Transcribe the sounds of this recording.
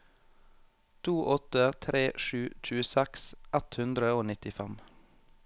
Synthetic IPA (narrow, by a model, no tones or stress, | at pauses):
t̪ʰuːʔɔt̪ət̪ʰɾʔeːʃʉːc͡çʰʉːəsɛksʔɛt̪hʉnd̪ɾəoːnɪt̪ɪfɛm